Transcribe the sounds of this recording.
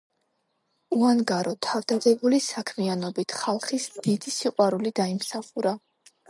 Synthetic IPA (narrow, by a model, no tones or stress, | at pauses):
uanɡaɾɔt̪ʰavd̪̥ad̪ɛbulisakʰmianɔbit̪ʰχalˠχisd̪̥id̪isiqʼwaɾulid̪aimsaχuɾa